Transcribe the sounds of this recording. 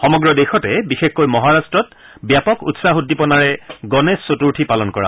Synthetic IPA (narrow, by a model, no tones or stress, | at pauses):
xɔmɔɡɹɔdexɔtɛbixexkojmɔɦaɹastɹɔt | bjapɔkṵtsaɦudːipɔnaɹɛɡɔnesːotuɹtʰipalɔnkɔɹa̰